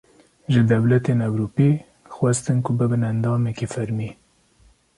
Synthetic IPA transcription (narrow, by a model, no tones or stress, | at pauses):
ʒɨd̪ɛwlɛt̪enɛwɾupi | xwɛst̪ɨnkʰʊbɨbɨnænd̪ɑːmɛkefæɾmiː